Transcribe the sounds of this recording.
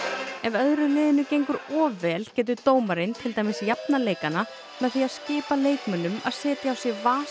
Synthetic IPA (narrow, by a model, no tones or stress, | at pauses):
ɛvœðɾʏlɪːðɪnʏcejŋkʏɾɔːvɛːlcɛːt̪̬ʏt̪oːwmaɾɪnt̪ʰɪlt̪aːjmɪsjapnaleːjkana | mɛðθiaðscɪːpaleːjkmœnʏma̰ðsɛːt̪jaːawsjɛɣvaː